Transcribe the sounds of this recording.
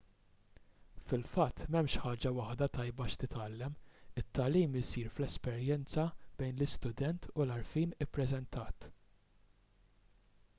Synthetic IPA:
fɪlfɐt̪ːmɛmʃħɐːd͡ʒɐwɐħd̪ɐt̪ɐjbɐʃt̪ɪt̪ɐlːɛmɪt̪ːɐliːmɪsiːɾflɛspɛɾjɛnt͡sɐb̥ɛjnlɪst̪ʊd̪ɛnt̪ʰʊlɐɾfiːnɪpːɾɛzɛnt̪ɐːt̪

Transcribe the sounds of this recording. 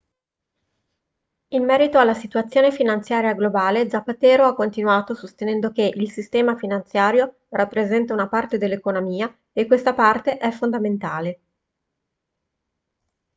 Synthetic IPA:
inmɛːɾit̪oalːasit̪uat̪sːjoːnefinant̪sjaːɾjaɡlobaːled̪zapːat̪ɛːɾoakːont̪inuaːt̪osost̪enɛnd̪okeʔilsist̪ɛːmafinant̪sjaːɾjo | rʔapːɾezɛnt̪aunapart̪ed̪elːekonomiːa | ekːwest̪apart̪eʔɛfːond̪ament̪aːle

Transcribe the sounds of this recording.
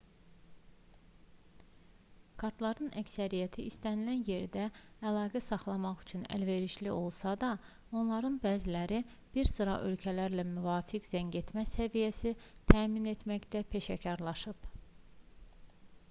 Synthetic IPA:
kʰɑɾt̪lˠɑɾnɯnʔæcsæɾijæt̪ʰiʔist̪ænilænje̞ɾd̪æːlˠɑːɡæsɑχlˠɑmɑχyt͡ʃʰynæ̰lve̞ɾiʃliʔo̞lˠsɑd̪ɑ | o̞nlˠɑɾɯnbæːzilæɾi | b̥iɾsɯɾɑ̰ʔø̞lcʰælæɾlæmyvɑːfikzæɲɟe̞t̪mæsævijæsit̪ʰæːmine̞t̪mæçd̪æpʰe̞ʃæcʰɑɾlˠɑʃɯb

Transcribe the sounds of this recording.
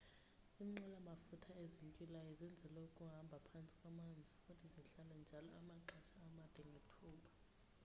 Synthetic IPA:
imŋ͡ǁɛlamafutʰaeziŋkʼilajɔzɛnd͡zʱɛlɛukʼuɦambʱapʰant͡sʼi̥kʼwamand͡zʱiutʰiziɬalɛnd͡ʒʱalɔamaǃat͡ʃʰaːmad̥ʱɛŋʱetʰuːɓʰḁ

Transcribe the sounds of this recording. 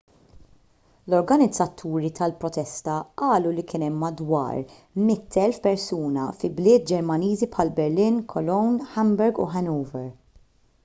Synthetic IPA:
lɔɾɡɐnɪd͡zːɐt̪ʰːuːɾit̪ɐlpɾɔt̪ɛst̪ɐʔɐːlulikɪːnɛmːɐd̪wɐ̰ːɾ | mɪt̪ʰːɛlfpɛɾsuːnɐ̰fɪblɪːt̪̚d͡ʒɛɾmɐniːzipħɐlbɛɾlɪːnkʰɔlɔwnħɛmbɛɾɡṵħɛnuːvɛɾ

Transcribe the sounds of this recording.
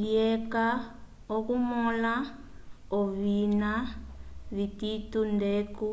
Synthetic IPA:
iɛka | okumɔla | ɔβina | βititundeku

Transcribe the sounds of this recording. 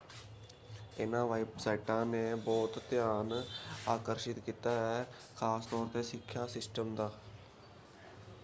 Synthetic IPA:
ɪnãːʋəɪpsɛːʈãːneːbɔːt̪ːjaːnaːkəɾʃɪt̪kiːt̪aːɦɛː | kʰaːst̪ɔːɾt̪eːsɪkʰːjaːsɪsʈəmd̪aː

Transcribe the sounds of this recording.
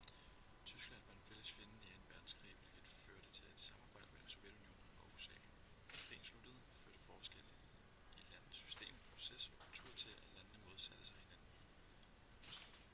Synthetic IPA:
t͡sʰysɡ̥læn̰ʋɑ̈e̝nfel̰əsfe̝nəneɐenb̥æɐd̥n̩sɡ̥ʰʁḭːʋelɡ̥ed̥føɐɾ̥ət͡sʰe̝le̝d̥sɑ̈mɑ̈ːb̥ɑ̈ɪd̥mḛl̰m̩so̝ʋjed̥unio̝̰ːnn̩ɒ̽usɛ̰ː | kʰʁḭːn̩slud̥əð̞̩ˠføɐ̰ɾ̥əfɒːsɡ̥el̰ | i̥læn̰ð̩ˠssy̥sd̥e̝̰ːmpʰʁo̝sesɒkʰult͡sʰuɐ̰t͡sʰe̝ælænn̩əmɔːð̞̩ˠsæd̥əsɑ̈ɪhe̝næn̰n̩

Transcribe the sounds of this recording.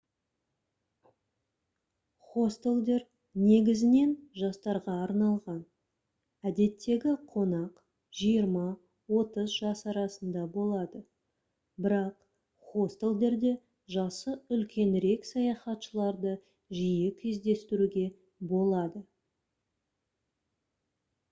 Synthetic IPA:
χo̞st̪e̞lˠd̪e̞ɾ | ne̞ɡʲɪzɪne̞nʒɑst̪ɑɾʁɑːɾnɑlˠʁɑn | æd̪e̞t̪ːe̞ɡʲɪqʰo̞nɑq | ʒ̥ijəɾmɑ | wo̞t̪əzʒɑsɑɾɑsənd̪ɑbo̞lˠɑd̪ə | bɪɾɑq | χo̞st̪e̞lˠd̪e̞ɾd̪e̞ | ʒɑsəʏlkʲe̞nɾe̞ksɑjɑχɑt̪ʃəlˠɑɾd̪ə | ʒijɪkʲʰezd̪e̞st̪ɪɾuɡʲe̞ | bo̞lˠɑd̪ə

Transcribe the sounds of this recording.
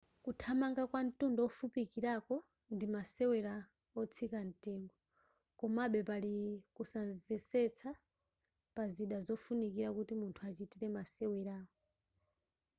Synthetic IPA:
kutʰamaŋɡakwan̩tundɔɔfupikiɾakɔ | ndimasɛwɛɾa | ɔt͡sʰikan̩tiːŋɡɔ | kɔmaɓɛpalikusaɱvɛsɛt͡sʰa | paziɗazɔfunikiɾakutimuntʰuat͡ʃitiɾɛmasɛwɛɾaːɔ

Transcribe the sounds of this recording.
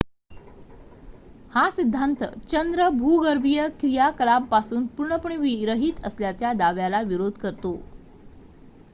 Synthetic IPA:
hasid̪ʱːant̪ə̰t͡ɕənd̪ɾəbʱuːɡəɾbʱijəkɾijakəlampasuːnpuɾɳəpuɳ̃iʋiɾəɦiːt̪ʰəsljat͡ɕjad̪aʋjalaʋiɾod̪ʱkəɾt̪o

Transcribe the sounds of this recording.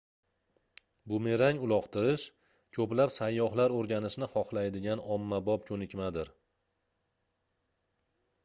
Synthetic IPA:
bʊme̞ɾaŋʊlˠɒqt̪ʰɪɾɪʃ | kʰɵplapsajːɒχlaɾoɾɡʲanɪʃnɪχɒχlajd̪ɪɡʲanɒmːabɒpkʲʰɵnɪkʲmad̪ɪɾ

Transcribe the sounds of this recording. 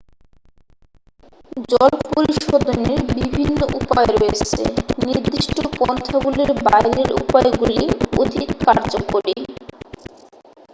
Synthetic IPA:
d͡ʑɔlpoɾiʃod̪ʱoneɾbibʱinːoʔupaeɾoet͡ɕʰḛniɾd̪iʃʈokɔnt̪ʰːaɡuliɾbajɾeɾṵpɔeɡulio̰d̪ʱit̪kaɾd͡ʑokoɾi

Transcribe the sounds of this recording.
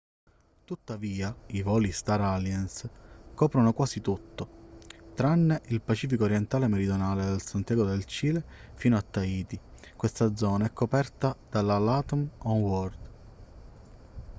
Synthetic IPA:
t̪ut̪ːaviːaivɔːlist̪aɾaljanskɔːpɾonokwaːsit̪ut̪ːot̪ɾanːeʔilpat͡ʃiːfikoːɾjɛnt̪aːlemeɾid̪jonaːled̪elsant̪ɛːɡod̪elt͡ʃiːlefiːnoat̪ːaiːt̪i | kwest̪ad̪zɔːnaɛkʰːopɛrt̪ad̪alalat̪ɔmɔnwɔrd̪

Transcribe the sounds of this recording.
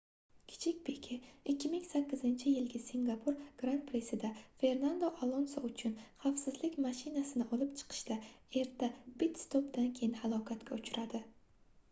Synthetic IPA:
kʲʰɪ̥t͡ʃʰɪk̚ʲpʰe̞kʲʰɪɪkʲːɪmɪŋsakʲːɪzɪnt͡ʃʰɪjɪlɡʲasiŋɡapʰʊɾɡ̥ɾant̪̚pʰɾesɪd̪afe̞ɾnand̪oʔalˠonsɒʊt͡ʃʰʊnχafsɪzlɪkʲmaʃɪnasɪnɪʔɒlɪpt͡ʃʰɨ̥qʰɨ̥ʃd̪ae̞ɾt̪ʰːab̥ɪt̪st̪opd̪ankʲʰe̞jɪnɪhalˠɒkʰat̪kʲaʊt͡ʃʰʊɾʔad̪ɪ

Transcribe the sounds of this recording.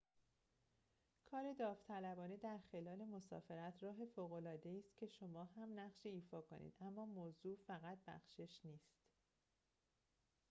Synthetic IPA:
kʰɒːɾe̞d̪ɒːft̪ʰælæbɒːned̪æɾxe̞lɒːle̞mo̞sɒ̰ːfe̞ɾæt̪ʰrɒːɦe̞foːɣo̞lɒːd̪e̞iːst̪cʰe̞ʃo̞mɒːɦæmnæχʃiiːfɒːkʰo̰nʔḭːd̪ʔæmːɒːmoːzuːfæɣæt̪̚ʰbæ̰xʃe̞ʃniːst̪

